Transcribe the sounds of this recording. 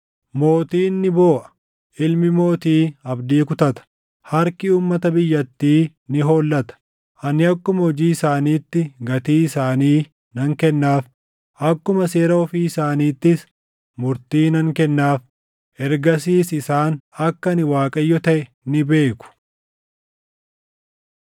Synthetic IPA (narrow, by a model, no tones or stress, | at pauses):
mo̞ːt̪iːnːɪbo̞ːʔɐ̥ | ʔɪlmɪmo̞ːt̪iːɐbd̪iːkʊt̪ɐt̪ɐ̥ | hɐɾkɪuːmːɐt̪ɐbɪjːɐt̪ːiː | nɪɦoːlːɐt̪ɐ̥ | ʔɐnɪɐkːʊmɐhɔd͡ʒiːɪsaːniːt̪ːɪɡɐt̪iːɪsaːniː | nɐŋkɛnːaːf | ʔɐkːʊmɐse̞ːɾɐɔfiːɪsaːniːt̪ːɪs | mʊɾt̪iːnɐŋkɛnːaːf | ʔɛɾɡɐs̬iːsɪsaːnɐkːɐnɪwaːkʼɐjːɔt̪ɐʔɛ | nɪbe̞ːkʊ̥